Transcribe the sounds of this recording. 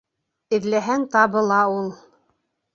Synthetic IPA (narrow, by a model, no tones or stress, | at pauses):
ɘ̆ðlæɦæŋt̪ɑβɤ̆lˠɑulˠ